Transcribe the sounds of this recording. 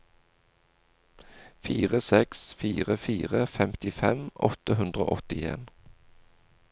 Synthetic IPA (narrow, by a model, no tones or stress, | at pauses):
fiːʁəsɛksfiːʁəfiːʁəfɛmt̪ɪfɛmʔɔ̰t̪əhʉnd̪ʁo̰ːʔɔt̪ɪḛːn